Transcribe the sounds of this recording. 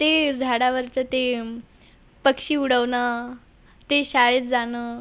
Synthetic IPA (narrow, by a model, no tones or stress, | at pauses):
t̪ed͡zʱaɽaʋəɾt͡ɕət̪e | pəkʂiːuɽəʋnə | t̪eɕaɭet͡sd͡zanəː